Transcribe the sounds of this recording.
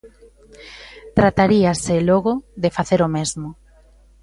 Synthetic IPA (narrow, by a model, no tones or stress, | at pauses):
t̪ɾat̪aɾiaseloɣʊðefaθeɾomezmo